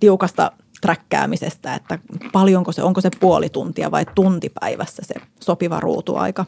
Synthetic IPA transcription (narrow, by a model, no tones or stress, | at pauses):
t̪iukɑst̪ɑ̰ | t̪rækːæ̰ːmisest̪æḛt̪ːæpɑljoŋkosḛʔoŋkosepuolit̪unt̪iɑ̰ʋɑit̪unt̪ipæiʋæsːæsḛ | sopiʋɑ̰rṵːt̪ṵɑ̰ikɑ